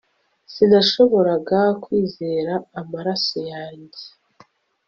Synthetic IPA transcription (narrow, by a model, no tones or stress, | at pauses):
sinaʃo̞βo̞ɾaɡakwiːze̞ːɾaːmaɾaso̞jaːɲɟe